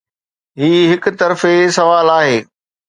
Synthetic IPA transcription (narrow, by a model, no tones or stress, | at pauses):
ɦiːɦɪkʊt̪ɐɾfesɐʋaːlaːɦeː